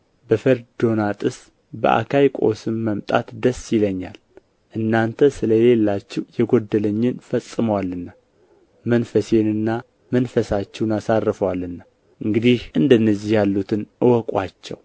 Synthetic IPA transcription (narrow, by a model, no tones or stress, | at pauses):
bəfəɾd̪o̞nat̪ʼɨs | bə̰ʔa̰kʰajkʼo̞̰sɨmːəmt̪ʼa̰t̪d̪əsːjɪləɲːal | ʔɨnːant̪ʰəsɨləle̞lːat͡ʃːɪwjɛɡo̞d̪ːələɲːɪnfəsʼːɨməwalːɨnːa | mənfəse̞nɨnːa | mənfəsat͡ʃːɛwnasarːɨfəwalːɨnːa | ʔɨŋɡɨd̪ihʔɨnd̪ənːəzihjalːut̪ʰɨnʔɨwɔkʼwat͡ʃːɛ̰w